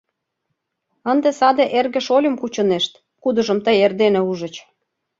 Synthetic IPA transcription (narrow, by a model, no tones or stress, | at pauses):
ənd̪esɑd̪eʔerɣə̆ʃolʲə̆mkut͡ɕɤ̆neʃt̪ | kud̪ɤ̆ʒə̆mt̪əjerd̪enĕuʒə̆t͡ɕ